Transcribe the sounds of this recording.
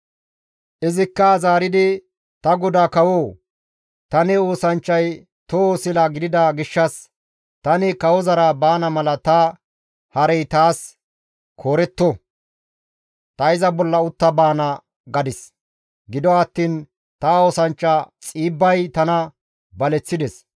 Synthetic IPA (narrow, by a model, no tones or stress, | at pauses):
ʔɪzɪkːɐzaːɾɪd̪ɪ | t̪ɐɡɔd̪akɐwoː | t̪ɐnɪo̞ːsɐnt͡ʃːɐj | t̪ooːsɪlɐɡɪd̪ɪd̪ɐɡɪʃːɐs | t̪ɐnɪkɐwɔzɐɾɐbaːnɐmɐlɐt̪ɐ | hɐɾɛjt̪aːs | kʰoːɾɛt̪ːɔ | t̪ɐɪzɐbɔlːɐʊt̪ːɐbaːnɐ | ɡɐd̪ɪs | ɡɪd̪ɔɐt̪ːiːn | t̪aoːsɐnt͡ʃːɐt͡sʼiːbːɐjt̪ɐnɐ | bɐlɛt͡sːɪd̪ɛs